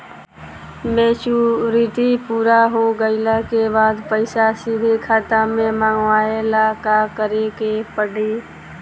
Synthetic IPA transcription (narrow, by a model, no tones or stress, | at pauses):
meːt͡ʃuɾit̪ipuːɾaɦoɡəɪlakebaːd̪pəɪsasid̪ʱikʰaːt̪amẽmãːŋɡʋaːelakakəɾekepəɽiː